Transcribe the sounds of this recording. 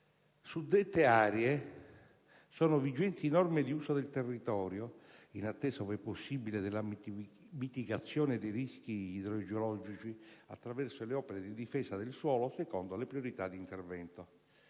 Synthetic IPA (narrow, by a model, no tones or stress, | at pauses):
sud̪ːɛt̪ːeaːɾɛe | sɔːnovid͡ʒɛnt̪inɔrmed̪iuːsod̪elt̪erːit̪ɔːɾjoinat̪ːɛːsovɛpːosːibiled̪elːa | mit̪iɡat̪sːjɔːned̪ejrisk̟iːd̪ɾod͡ʒolɔd͡ʒit͡ʃia̰t̪ːɾavɛrsoleɔːpeɾed̪id̪ifɛːsad̪elswɔːlosekɔnd̪olepɾioɾit̪ad̪ːint̪ervɛnt̪o